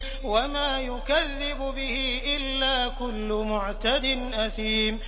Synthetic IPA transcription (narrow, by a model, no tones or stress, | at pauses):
wamaːjʊkaðːɪbʊbɪhɪʔɪlːaːkʊlːʊmʊʕt̪ad̪ɪnʔaθiːm